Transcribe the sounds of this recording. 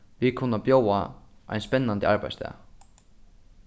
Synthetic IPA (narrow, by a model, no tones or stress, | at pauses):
vikʰʊnːapjoːwaa̰jnspɛnːant̪ɪaɹpa̰jst̪ɛ̰ː